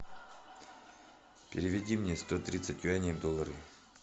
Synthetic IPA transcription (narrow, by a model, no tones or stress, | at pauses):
pʲɪɾʲɪvʲɪdʲimnʲest̪ot̪ɾʲit̪sətʲʊanʲɪəvd̪olˠəɾɨ̰